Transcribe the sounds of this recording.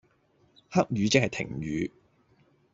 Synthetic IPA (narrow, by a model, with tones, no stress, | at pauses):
ha˥k̚ɥyː˨˧t͡sɪ˥k̚hɐ˨jt̪ʰɪ̰˨˩ŋɥyː˨˧